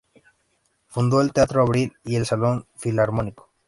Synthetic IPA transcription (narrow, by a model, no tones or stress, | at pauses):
fund̪o̞elt̪eat̪ɾoaβɾilie̞lsalo̞ɱfilaɾmoniko̥